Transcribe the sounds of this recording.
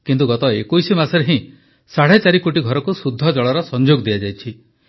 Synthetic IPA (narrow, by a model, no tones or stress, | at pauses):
kint̪uɡɔt̪ɔekojsimasɔɾeɦĩ | saɽet͡ʃaɾikoʈiɡʱɔɾɔkusud̪ʱːɔd͡ʒɔɭɔɾɔsɔnd͡ʒoɡd̪iad͡ʒajt͡ʃʰi